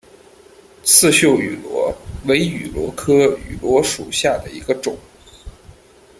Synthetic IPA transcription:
t͡sʰɹ̩˥˧ɕjo˥˩ʊy̰˨˩lwɔ˧˥we˧˥ɪy˨˩lwɔ̰˧˥kʰɤ˥y̰˨˩lwɔ˧˥ʂṵ˨˩ɕja˥˩d̪ə˩ḭ˧˥ɡə˧ʈ͡ʂʊ˨˩˦ŋ

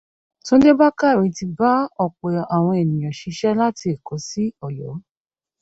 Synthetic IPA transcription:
tõ˦de˦ba˦ka˦˨ɾi˨˦ti˧ba˦ɔ˨k͡pɛ˨a˨w̃ɔ̃˧e˨nĩ˨j̃ã˨ʃi˨˧˦ʃɛ˦la˦ti˧e˨kɔ˨˦si˦ɔ˨jɔ̰˨˦

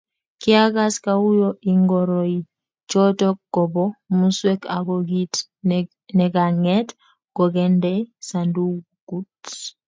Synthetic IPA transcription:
ki˦a˦ɡa˦ska˦u˦jɔ˦ʔi˨ŋɡɔɾɔ˨i˨ | t͡ʃɔ˦tɔ˦kːɔ˨bɔ˦mu˦swe˦ka̰˨ɡɔ˨ɡi˦t | nɛ˨ɡa˨ŋɛ˦t | ɡ̥ɔ˨ɡɛ˦ndɛ˦sandu˦ | ku˦t

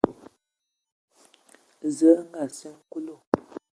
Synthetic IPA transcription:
zə˨˦ʔŋ̩˦ɡa˨sə˦ŋ˦ku˦lo˦˨

